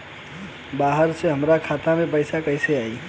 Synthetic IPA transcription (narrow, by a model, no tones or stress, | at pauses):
baɦəɾseɦəmɾakʰat̪amepəɪsakəɪseai